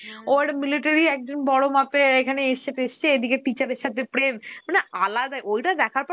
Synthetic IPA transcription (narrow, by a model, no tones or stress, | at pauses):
oeʈamiliʈaɾiɛk̚d͡ʑonbɔɽomapeekʰaneeʃt͡ɕʰeteʃt͡ɕʰeed̪ikeʈit͡ɕaɾeɾʃat̪ʰepɾemmanealad̪aʔojʈad̪ɛkʰaɾpɔ